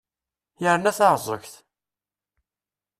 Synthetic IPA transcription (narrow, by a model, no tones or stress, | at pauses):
jəɾnæθɑɾˤzˤə̰çθ